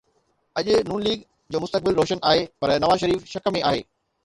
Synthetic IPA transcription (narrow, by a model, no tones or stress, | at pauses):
ɐʄʊnuːnliːɡ | d͡ʑoːmʊst̪ək̚bɪlɾoːʃənaːɦepɐɾnɐʋaːzʃɐɾiːfʃɐkəmẽaːɦḛː